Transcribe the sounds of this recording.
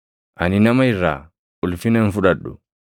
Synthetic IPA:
a̰ninamajɾa̰ | ulfinanfuɗaɗːṵ

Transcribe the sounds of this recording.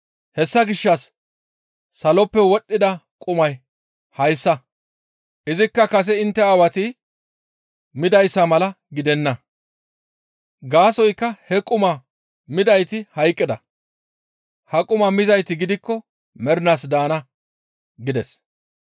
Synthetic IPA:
hɛsːɐɡɪʃːɐsː | ɐlɔpːɛwɔɗːɪd̪ɐkʼʊmɐj | hɐjsːɐ | ʔɪzɪkːɐkɐs̬ɛɪnt̪ːɛaːwɐt̪ɪ | mɪd̪ɐjsːɐmɐlɐ | ɡɪd̪ɛnːɐ | ɡaːsɔjkːɐhɛkʼʊmɐ | mɪd̪ɐjt̪ɪhɐjkʼːɪd̪ɐ | hɐkʼʊmɐmɪzɐjt̪ɪɡɪd̪ɪkːɔ | mɛɾnaːsd̪aːnɐ | ɡɪd̪ɛs

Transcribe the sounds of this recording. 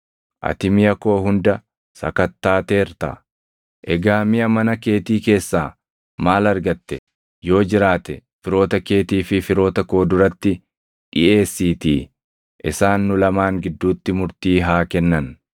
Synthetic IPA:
ʔɐ̰t̪ɪmɪjɐko̞ːɦʊnd̪ɐ | sɐ̰kɐt̪ːaːt̪eːɾt̪ɐ̰ | ʔɛɡaːmɪjɐmɐnɐke̞ːt̪iːke̞ːsːaː | maːlɐɾɡɐt̪ːɛ | jo̞ːd͡ʒɪɾaːt̪ɛfɪɾo̞ːt̪ɐke̞ːt̪iːfɪfɪɾo̞ːt̪ɐkoːd̪ʊɾɐt̪ːɪ | ᶑɪ̰ʔe̞ːsːiːt̪ḭː | ʔɪsaːnːʊlɐmaːŋɡɪd̪ːuːt̪ːɪmʊɾt̪iːɦaːkɛnːɐn

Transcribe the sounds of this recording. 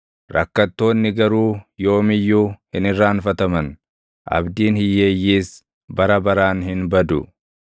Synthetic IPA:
ɾʔɐkːɐt̪ːo̞ːnːɪɡɐɾuːjo̞ːmɪjːuːhɪnɪrːaːnfɐt̪ɐmɐn | ʔɐ̰bd̪iːnhɪjːe̞ːjːiːs | bɐɾɐbɐɾaːnhɪnbɐd̪ʊ

